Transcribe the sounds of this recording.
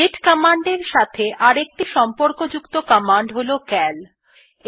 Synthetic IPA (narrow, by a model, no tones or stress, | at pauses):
eʈkɔmaɳɖeɾʃat̪ʰeʔaɾek̚ʈiʃɔmpoɾkod͡ʑukt̪okɔmaɳɖɦolokɛl